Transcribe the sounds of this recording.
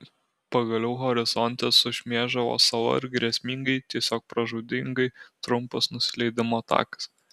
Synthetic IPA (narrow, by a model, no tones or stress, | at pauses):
pɐɡɐlʲɛʊɦɔɾʲɪzɔnʲt̪ʲɛsʊʃʲmʲeːʒd̪ɐʋo̰ːsɐʋˠɐ̰ɪɾɡɾʲɛsʲmʲiŋɡɐɪt̪ʲiɛsʲoːk̚pɾɐʒuːd̪ʲɪŋɡɐɪt̪ɾʊmpɐsnʊsʲɪlʲɛɪd̪ʲɪmoːt̪ɑ̰ːkɐ̥s